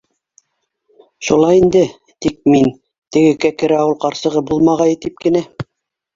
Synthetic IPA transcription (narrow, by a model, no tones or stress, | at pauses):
ʃulˠɑjind̪ɘ | t̪ik̚min | t̪ɘ̆ɡɘ̆kækɘ̆ɾæɑwɤlˠqɑɾsɤ̆ʁɤbulˠmɑʁɑjĭt̪ip̚kɘ̆næ